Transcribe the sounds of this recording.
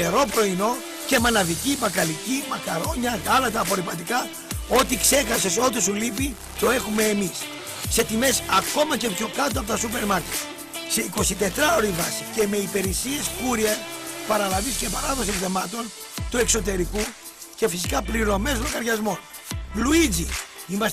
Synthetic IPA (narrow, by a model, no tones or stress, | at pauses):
eɾo̞pɾo̞ino̞ | ce̞mɐnɐðicivɐkɐlicimɐkɐɾo̞ɲɐtɐlɐt̪ɐpo̞ɾipɐt̪ikɐ | o̞t̪ikse̞xɐse̞so̞t̪isulipi | t̪o̞e̞xume̞ːmisː | e̞t̪ime̞sɐko̞mɐce̞pço̞kɐt̪̬oɐpot̪ɐsupe̞ɾmɐɾkcet̪i̥ | se̞iko̞sit̪e̞t̪ɾɐo̞ɾivɐsice̞me̞ipe̞ɾisieskuɾiepɐɾɐlɐvisce̞pɐɾɐðos̬ikðemɐt̪o̞n | t̪ue̞kso̞t̪̬e̞ɾiku | ce̞fisikɐpliɾo̞mezlɐkɐɾʝɐzmo̞ | luid͡zi | imɐs